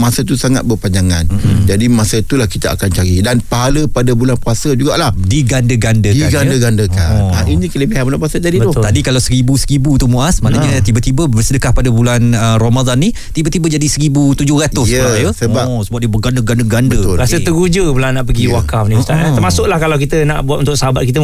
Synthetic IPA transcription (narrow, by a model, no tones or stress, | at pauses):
masət̪usaŋa̰t̪̚bəpaɲd͡ʒaŋand͡ʒadimasət̪ulahkit̪aʔa̰kant͡ʃaɾidanpaɦaləpadabulanpuasəd͡ʒuɡaʔlahdiɡandəɡandəiɡadəɡandəkaainikələbiɦaməlaʔpuasəd͡ʒadit̪ʊt̪adikalawsəɾibusəɾibut̪umuasmaʔnaɲat̪ibət̪ibəbəsədəkahpadabulanəromad̪anːi | t̪ibət̪ibəd͡ʒadisəɾibut̪ud͡ʒʊhrat̪ʊsjusəba | səbaʔ̚dibəɡandəɡandəɡandəɾasət̪əɡud͡ʒəbəlanaʔpəɡiwakafnĩst̪a̰əɾmasʊʔlahkalawk̬it̪əna̰ʔbuat̪unt̪ʊʔ̚səɦabat̪̚kit̪ə